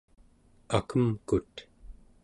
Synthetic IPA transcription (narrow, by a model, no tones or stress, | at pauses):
akəmkut̪